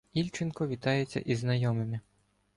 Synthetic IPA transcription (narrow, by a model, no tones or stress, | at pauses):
ilʲt͡ʃɪnkɔʋʲit̪ɑjet͡sʲːɐ̰ʔiznɐjɔmɪmɪ